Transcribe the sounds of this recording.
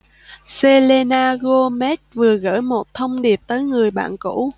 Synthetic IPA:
se˧le˧naː˧ɣo˧mɛ˦˥t̚vɨ˨˩əɣə̰ː˧˥˩jmo˨˩t̚t̪ʰə˧wŋ͡mɗi˨˩əp̚t̪əː˨˦jŋɨ˨˩əjɓa̰ː˧˨nkṵ˧˥˨

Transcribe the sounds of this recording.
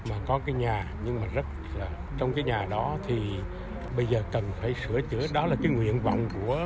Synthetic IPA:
maː˨˩kɔ˨˦kaː˨˦jɲaː˨˩ɲɨ˧ŋmaː˨˩zə˦˥t̚laː˨˩ | t͡ɕwŋ͡mkaː˨˦jɲaː˨˩ɗɔ˨˦t̪ʰi˨˩ | ɓə˧jzəː˨˩kə˨˩nfaː˧˩jsɨ˧˩ət͡ɕɨ˧˥əɗɔ˨˦laː˨˩kaː˨˦jŋwḭ˧˨ənvɔ̰˧˨wŋ͡mku˧˩ə

